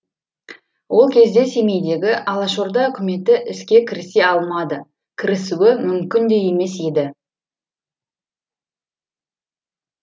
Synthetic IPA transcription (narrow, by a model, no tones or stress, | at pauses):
wʔo̞lˠkʲʰe̞zd̪e̞se̞me̞jd̪e̞ɡʲɪʔɑlˠɑʃoɾd̪ɑɵkʲɪme̞t̪ɪʔɪskʲe̞kʲʰɪɾɪse̞ɑlˠmɑd̪ə | kʲʰɪɾɪsuwɪmʏmkʲɪnd̪e̞je̞me̞se̞d̪ɪ